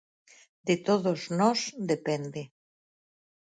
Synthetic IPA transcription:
d̪et̪oðoznɔsd̪epend̪e

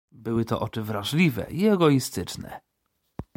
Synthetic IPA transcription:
bɘwɘt̪ɔ̰ʔɔt͡ʂɘvɾaʐlʲivɛ̰iɛɡɔist̪ɘt͡ʂnɛ̰

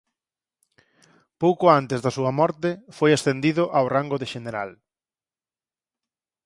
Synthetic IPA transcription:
powkʊant̪ezðɐsuɐmɔɾt̪ɪfojasθend̪iðʊʔawraŋɡʊðeʃeneɾa̰l

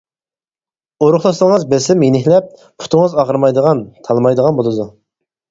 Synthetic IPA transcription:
oɾʊχlˠɑsŋəzbesɪmjenɪçlɛp̚ | pʰu̥t̪ʰʊŋəzɑʁəɾmɑjd̪əʁɑnt̪ʰɑlˠmɑjd̪əʁɑnbolˠɨd̪u

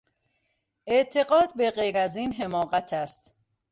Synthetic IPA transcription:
ʔeʔt̪ʰeɢɒːd̪̚beɢejɾæziːnɦe̞mɒːɣæt̪ʰæst̪

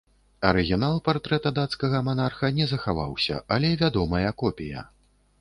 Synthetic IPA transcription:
ɐɾɨɣʲinalˠpart̪ɾɛt̪ɐd̪at̪skɐɣɐmanarxɐnʲɛzɐxava̰wsʲɐ̰alʲɛvʲad̪ɔmɐjɐkɔpʲijɐ̰

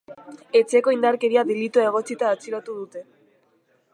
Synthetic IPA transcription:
e̞t͡seko̞ind̪aɾke̞ɾiaðelit̪oe̞ɣ̞o̞t͡sit̪aːt͡siɾat̪uðut̪e̞

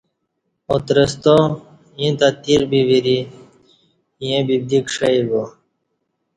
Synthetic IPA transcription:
ot̪ɾəst̪o | jĩt̪at̪iɾbiʋiɾi | jẽbib̚d̪ikʂəibo

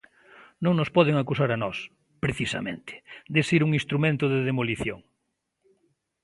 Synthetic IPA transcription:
nõŋnospɔðeŋakusaɾanɔs | pɾeθisa̰mḛ̃nt̪ɪ̥d̪esiɾuŋĩnst̪ɾumẽnt̪ʊðeðemoliθjo̰ŋ

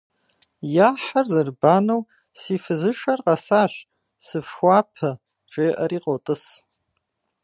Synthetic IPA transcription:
jaħarzɨrbanow | sifɨzɨʂarqʼasaʃʷ | sɨfxʷapʰɐ | ʈ͡ʂʼeːʔaɾiqʼotʼɨs

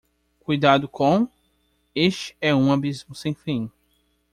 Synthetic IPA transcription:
kujd̪ad̪ʊkʰõw̃ | eʃt͡ʃɪ̥ɛũabizmʊsẽj̃fĩ

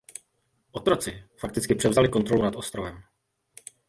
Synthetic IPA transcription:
ʔot̪ɾo̞t͡sɪfak̚t̪ɪt͡skɪpr̥ɛvzalɪkont̪ɾo̞lunat̪o̞st̪ɾovɛm

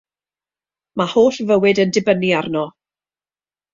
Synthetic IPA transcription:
mahoːɬvəwɪdəndɪbəniarnɔ

